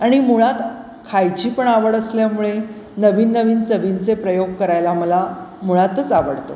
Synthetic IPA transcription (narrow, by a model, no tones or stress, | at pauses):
aɽ̃imuɭat̪ | kʰajt͡ɕiːpəɳaʋəɽəsljamuɭe | nəʋiːnːəʋiːnt͡səʋint͡sepɾəjoɡ̚kəɾajlaməlamuɭat̪ət͡saʋəɽt̪o